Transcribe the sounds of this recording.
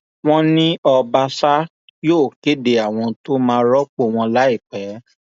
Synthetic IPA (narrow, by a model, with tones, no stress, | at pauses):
w̃ɔ̃˦nĩ˦ɔ˧ba˧sa˦ | joː˦˨ke˨˦de˧˨a˨w̃ɔ̃˧to˦mãː˧˦ɾɔ˦k͡po˦˧˨w̃ɔ̃˧la˦i˦˨k͡pɛ˨˦